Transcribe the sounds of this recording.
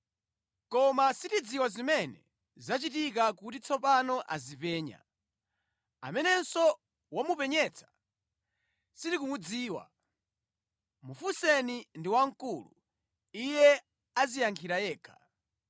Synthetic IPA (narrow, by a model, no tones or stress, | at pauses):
kɔmasitid͡ziwazimɛnɛ̰ | zat͡ʃitikakutit͡sʰɔpanɔʔa̰zipɛːɲa̰ | a̰mɛnɛnsɔ | wamupɛɲɛt͡sʰḁ | sitikumud͡ziːwa̰ | mufusɛnindiwaŋ̩kulṵ | ijɛ | azijaŋkʰiɾajɛːkʰḁ